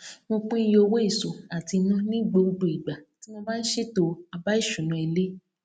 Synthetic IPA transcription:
mo˧k͡pũ˦i˧˦jo˧wo˦i˦˨so˨a˨ti˧nũ˦nĩ˦˨ɡ͡bo˧du˨i˨ɡ͡ba˨ti˨˦mõ˧ba˦n̩˦ʃe˦to˧a˧ba˦i˦˨ʃũ˨nũ˧e˧le˦

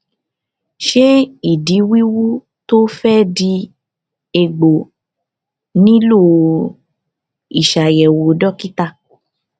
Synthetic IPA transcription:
ʃe˦i˨di˨˦wi˦wu˦ | to˦fɛ˦di˧ | e˧ɡ͡bo˨ | nĩ˦lo˦˨ | i˨ʃa˨jɛ˨wo˨˧˦dɔ˦ki˦ta˦˧

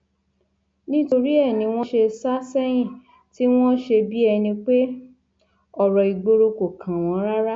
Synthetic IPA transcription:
nĩ˦to˧ɾi˦ɛ˦˨nĩ˨˧w̃ɔ̃˦ʃe˧sa˦sɛ˦j̃ĩ˦˨ | ti˦w̃ɔ̃˦ʃe˧bi˦ɛ˧nĩ˧k͡pe˦ | ɔ˨ɾɔ˨i˨ɡ͡bo˧ɾo˧ko˨kʰã˨w̃ɔ̃˨˦ɾa˦ɾa˦

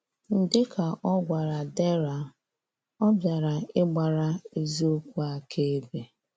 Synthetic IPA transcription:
n̩˨dɪ˦kʰa˨ʔɔ˦ɡʷa˨ɾa˨dɛ˦ɾa˨ | ɔ˦bja˨ɾa˨ɪ˦ɡ͡ba˨ɾa˨e˦zi˦o˦kʷu˦a˨kʰe˦e˦be˨

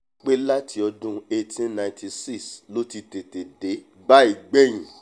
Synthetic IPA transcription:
k͡pe˦la˦tʰi˧ɔ˧dũ˦e˧tĩ˦nã˨ti˧si˦˨slo˦ti˧te˨te˨de˨˦ | ba˦i˨ɡ͡be˦j̃ĩ˨

